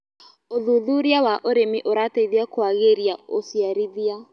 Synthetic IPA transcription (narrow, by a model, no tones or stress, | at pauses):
oðuðuɾjawaʔoɾemiʔoɾateiðjakwaɣeɾjaosjaɾiðia